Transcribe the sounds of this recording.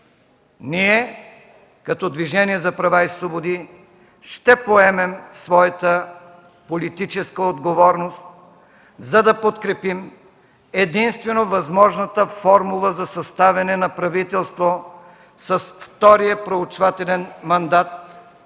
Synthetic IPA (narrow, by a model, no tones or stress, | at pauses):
niɛ | kɐt̪ɔd̪viʒɛniɛzɐpɾɐvaislˠobod̪i | ʃt̪ɛpoɛmɛmsvɔjɐt̪ə | polit̪it͡ʃɛskəod̪ɡovɔɾnost̪ | zɐd̪ɐpot̪kɾɛpim | ɛd̪inst̪vɛnovɐzmɔʒnət̪əfɔɾmulˠəzɐsɐst̪avʲɛnɛnɐpɾɐvit̪ɛlˠst̪vo | sɐsft̪ɔɾijəpɾoʊt͡ʃvat̪ɛlɛnmɐnd̪at̪̚